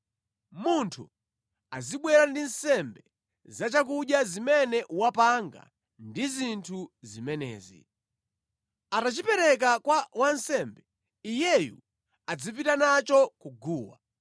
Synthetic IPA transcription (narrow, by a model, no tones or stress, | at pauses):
muntʰṵ | aziɓwɛɾandinsɛmbɛ | zat͡ʃak̬uɗjazimɛnɛʔuwapaŋɡa̰ | ndizintʰuzimɛnɛ̰ːzḭ | atat͡ʃipɛɾɛk̬akwawansɛmbɛ | ijɛjṵ | ad͡zipitanat͡ʃɔkuɡuːwa̰